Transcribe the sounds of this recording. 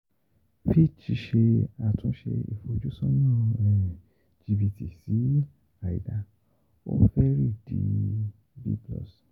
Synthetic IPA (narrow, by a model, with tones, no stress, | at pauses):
fi˦t͡ʃi˧ʃe˧a˨tũ˧˦ʃḛ˧ḭ˨fo˧˨d͡ʒu˦sɔ̃˦nãː˦˨ | d͡ʒi˧bi˧ti˨si˨˦ | a˨ḭ˨da˧ | o̰˦fɛ˦ɾi˦˨dḭ˨˧ | bḭ˦blɔ̰˦˨s